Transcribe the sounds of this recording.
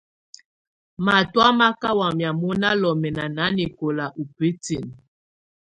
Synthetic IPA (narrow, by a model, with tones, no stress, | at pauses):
ma˨twa˦ma˦ka˦wa˨mja˨mo˦na˦lɔ˨mɛ˨na˨na˨˦ni˨ko˨la˨ʔu˨pi˦ti˨n